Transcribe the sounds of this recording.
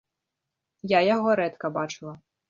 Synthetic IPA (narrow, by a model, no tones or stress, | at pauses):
jajaɣɔɾɛt̪kɐbat͡ʂɨlˠɐ